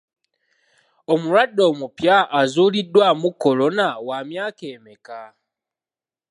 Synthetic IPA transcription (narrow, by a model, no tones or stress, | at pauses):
o̞muɾwadːo̞ːmupjaʔːzuːlidːwamukːo̞lo̞nawamjaːke̞ːmeka